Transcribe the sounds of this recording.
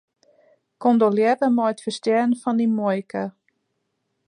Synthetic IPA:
kondoljɛdəmɔjətfərstjɛnfɔndimojkə

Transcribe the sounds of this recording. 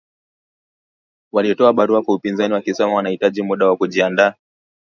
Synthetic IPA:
waliɔtɔaɓaɾuakwaupinzaniwakisɔmawanahitaʄimuɗawakuʄiandaː

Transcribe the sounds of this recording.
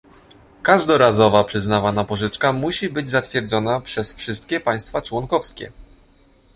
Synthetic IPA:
kaʐd̪ɔɾazɔvapʂɘznavanapɔʐɘt͡ʂkamuɕibɘd͡ʑzat̪fʲjɛɾd̪zɔnapʂɛsfʂɘst̪kʲɛpaj̃st̪fat͡ʂwɔŋkɔfskʲɛ̰

